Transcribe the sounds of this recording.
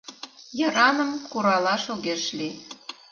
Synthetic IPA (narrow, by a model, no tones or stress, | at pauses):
jɤ̆ɾɑnə̆mkuɾɑlɑʃoɣeʃli